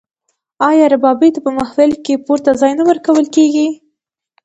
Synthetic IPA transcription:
ɑjɑɾabɑbit̪apəmahfɪlkepuɾt̪azɑjnawəɾkawəlkeɡi

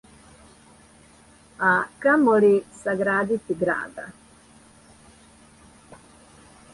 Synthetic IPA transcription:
aːkɐmoɭisɐɡɾaːd̪it̪ːiɡɾa̰ːd̪ɐ̰

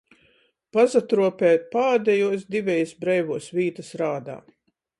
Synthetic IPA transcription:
pazat̪ɾuɔpʲɛːt̪̚paːd̪ʲɛjuɔsd̪ivʲɛjisbɾɛjvuɔsviːt̪ɐsɾaːd̪a̰ː

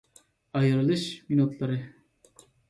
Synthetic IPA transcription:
ɑjɯɾɯlˠɯʃminut̪lˠɑɾɯ

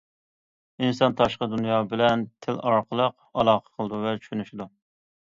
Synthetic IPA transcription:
insɑnt̪ʰɑʃqəd̪unjɑːbɪlɛnt̪ʰɪlɑɾqʰəlˠəq | ɑlˠɑːqʰə̥qʰəlˠd̪uvɛt͡ʃʰy̥ʃynyʃɪd̪u

